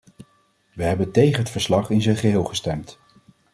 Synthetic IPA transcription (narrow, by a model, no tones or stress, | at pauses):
ʋəɦɛbəntejχənɦətfəɹslɑχɪnzənχəɦɪːlˠχəstɛmt